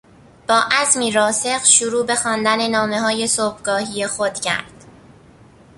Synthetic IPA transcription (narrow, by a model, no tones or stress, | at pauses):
b̥ɒːʔæzmiːɾɒːse̞ɣʃuɾuːbe̞xɒːnd̪æne̞nɒːme̞ɦɒːje̞soːb̥ɡɒːɦiːje̞xod̪̥cʰæ̰ɾd̪̥